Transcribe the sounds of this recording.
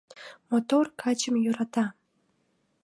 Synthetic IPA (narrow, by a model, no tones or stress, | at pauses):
mot̪orkʰɑt͡ɕəmjøɾɑt̪ɑ